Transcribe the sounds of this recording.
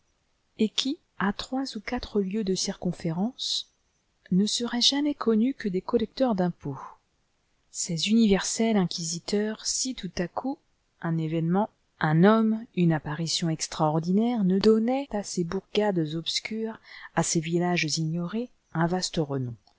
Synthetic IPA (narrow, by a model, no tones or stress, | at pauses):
ekʲʰi | at̪χwazukat̪χəljød̪əsiʁkɔ̃feʁɑ̃s | nəsəʁɛʒamɛkʰɔnykəd̪ekɔlɛk̚t̪œʁd̪ɛ̃po | sezynivɛʁsɛlɛ̃kʲizit̪œʁsit̪ut̪akʰu | ɛ̃nevɛnmɑ̃ | ʔɛ̃nɔmynapaʁisjɔ̃ɛkst̪χaɔʁd̪inɛʁnəd̪ɔnɛt̪asebuʁɡad̪zɔpskʲyʁasevilaʒziɲɔʁe | ɛ̃vast̪əʁənɔ̃